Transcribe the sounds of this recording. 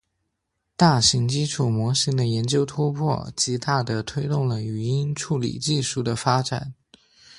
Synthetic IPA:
t̪a˥˩ɕi˧˥ŋt͡ɕi˥ʈ͡ʂʰu˨˩mwɔ˧˥ɕi˧˥ŋd̪ə˨jɛ˧˥nt͡ɕjo˥ʊt̪ʰu˥pʰwɔ̰˥˩t͡ɕi˧˥t̪a˥˩d̪ə˩t̪ʰwe˥ɪt̪ʊ˥˩ŋlə˩y˨˩i˥nʈ͡ʂʰu˥˩lḭ˨˩t͡ɕi˥˧ʂu˥˩d̪ə˦fa˥ʈ͡ʂa̰˨˩˦n

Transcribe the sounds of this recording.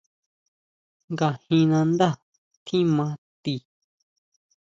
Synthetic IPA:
ŋɡa˧hĩ˧nã˧nd̪a˦ | t̪ʰĩ˦mã˧t̪i˧˨

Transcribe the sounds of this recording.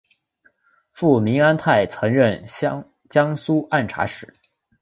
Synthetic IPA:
fu˥˩mi˧˥ŋa˥nt̪ʰa˥˩ɪt͡sʰɤ˧˥ŋɻə˥˩n | t͡ɕjɑ˥ŋsu˥a˥˩nʈ͡ʂʰa̰˧˥ʂɻ̩˨˩˦

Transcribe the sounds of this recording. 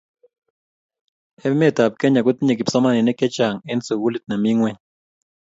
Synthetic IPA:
ɛ˦mɛ˦˨ta˨p̚kɛ˦ɲa˨ɡʊ˦t̪ɲe˨kɪ˨psɔ˦ma˦˨nɪ˨nɛ˦kɛ˦t͡ʃa˨ŋɛ˦nso˨wu˦li˦t̪̚na˨mi˦ŋwɛ˦ɲ

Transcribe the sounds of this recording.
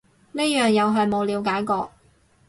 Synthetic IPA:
ne˥jœː˨ŋjɐ˨˧wɦɐ˨˩mo˨˧wliː˨˧wkaː˨˥jkɔː˧

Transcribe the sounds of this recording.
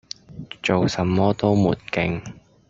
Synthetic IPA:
t͡ʃo˨wsɐ˨˥mːɔː˥t̪o˥wmuː˨˩nkɪ˧ŋ

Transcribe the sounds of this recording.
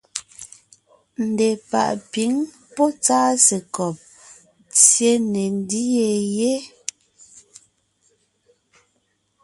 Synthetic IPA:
n̩˨de˨pa̰˨ʔpi˨˦ŋ | pɔ˦t͡saː˦se˨kɔ˨p̚ | t͡sje˦ne˨n˦di˦je˨je˦

